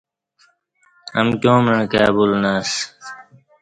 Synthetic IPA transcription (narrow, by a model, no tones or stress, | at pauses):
əmkjõːməɳkaːbulnaːs